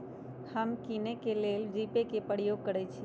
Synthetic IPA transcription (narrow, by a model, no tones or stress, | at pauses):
həmkinekeleld͡ʒipekepəɽjoɡ̚kːəɾet͡ʃʰe